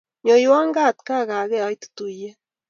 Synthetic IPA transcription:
ɲo˨ji˨˦wa˦ŋɡa˦˨tka˦˨ɣa˨ɣɛ˦a˨i˦tu̥˦tu˨jɛ˦

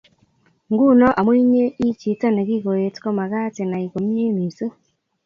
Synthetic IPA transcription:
ŋɡu˦nɔ˦ʔa˨mwi˦ɲe˦i˦t͡ʃi˨˦ta˦ne˨ɣi˦ɣo˨je˨tkɔ˦ma˨ɣa˦te˨na˨i˨ɣo˨mje˦mi˨si˦

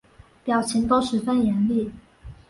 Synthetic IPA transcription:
pjɑ˨˩ʊt͡ɕʰi˧˥ŋt̪o˥ʊʂɻ̩˧˥fə˥njɛ˧˥nli˥˩

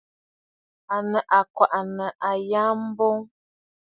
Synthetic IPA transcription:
a˨nə˨ʔa˨kwa˨ʔa˨nə˨ʔa˨ja˦m̩˦bɔ˦ŋ

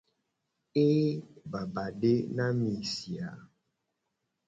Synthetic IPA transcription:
e˦ba˨ba˨ɖe˦nã˦mĩ˨si˨a˨

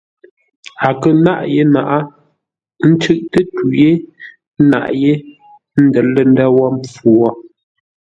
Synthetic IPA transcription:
a˨kə˨na˦ʔje˦na˨ʔa˦ | n̩˦t͡ʃʉ˦ʔtə˦tu˨je˦ | na̰˨ʔje˦ | n̩˦də˨lə˦n˦da˦wɔ˦mp͡fu˨ɔ˦

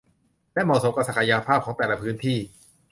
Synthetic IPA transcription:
lɛ˦˥mɔː˨˩so˨˦mka˧sa˨˩kʰa˧jaː˧pʰaː˥˩p̚kʰːŋt̪ɛː˨˩la˧pʰɯː˦˥nt̪ʰiː˥˩

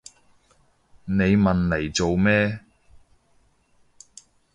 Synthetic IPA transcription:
ne˨˧jmɐ˨nle˨˩jt͡so˨wmɛː˥

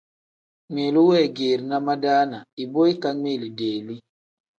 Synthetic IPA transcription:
ŋe˨lu˦wɛ˦˨ɡe˨ɾna˦ma˦daː˦na˨i˨bo˦i˦ka˦me˦˨li˨deː˨li˦

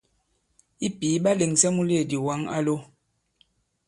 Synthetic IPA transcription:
i˦pi˨˦ɓa˦le˨ŋsɛ˦mu˦le˨di˨wa˦ŋa̰˦lo˦

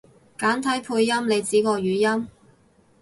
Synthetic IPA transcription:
kaː˨˥nt̪ʰɐ˨˥jpʰuː˧jːɐ˥mle˨˧jt͡siː˨˥kɔː˧ɥyː˨˧jɐ˥m

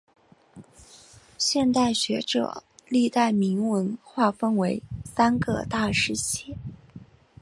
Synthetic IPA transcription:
ɕjɛ˥˧nt̪a˥˩ɪɕɥɛ˧˥ʈ͡ʂɤ̰˨˩li˥˧t̪a˥˩ɪmi˧˥ŋwə˧˥nxwa˥˩fə˥nwe˧˥ɪsa˥nɡə̰˥˧t̪a˥˧ʂɻ̩˥˧ɕɛ˥˩˦

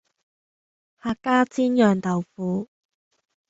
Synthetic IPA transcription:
haː˧kːaː˥t͡siː˥njœː˨˩ŋt̪ɐ˨˩wfuː˨˧˥

